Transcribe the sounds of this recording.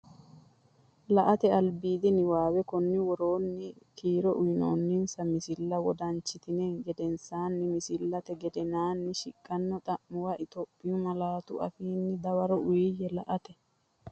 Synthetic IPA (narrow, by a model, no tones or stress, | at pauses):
lɐʔɐt̪ɛɐlbiːd̪ɪnɪwaːwɛkɔnːɪwɔɾo̞ːnːɪkʰiːɾɔʔʊjɪno̰ːnːɪnsɐmɪsɪlːɐwɔd̪ɐnt͡ʃːɪt̪ɪnɛɡɛd̪ɛnsaːnːɪmɪsɪlːɐt̪ɛɡɛd̪ɛnaːnːɪʃɪkʼːɐnːɔt̪ʼɐʔmːʊwɐʔɪt̪opʼːɪjʊmɐlaːt̪ʊʔɐ̰fiːnːɪd̪ɐwɐɾɔʊjɪjɛlɐ̰ʔɐt̪ɛ